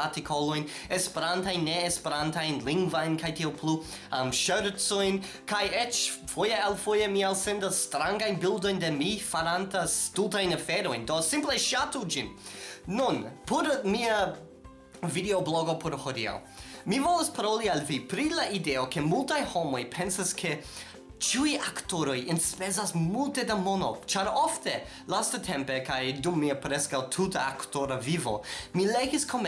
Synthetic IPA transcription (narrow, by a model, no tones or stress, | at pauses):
atikʰolo̞jn | espe̞ɾantajnːeːspeɾantajnliŋɡvajnkajtiowplu | mʃøɾt͡sojn | kajet͡ʃfojealfojemialsendasːtɾaŋɡajnbildo̞jndemifaɾantastutajnafeɾo̞jndosimpleʃatud͡ʒinː | unpʰoɾmia | videobloɡopoɾhodia̰ | mivolospaɾolialvipɾilaʔideokemultajho̞mo̞jpʰensaskʰe | t͡ʃiujaktoɾojenspezasmultedamono̰t͡ʃaɾofte | lastatʰempekajdumːiapɾeskawt̪ʰutaaktoɾavivo̰mileɡiskʰom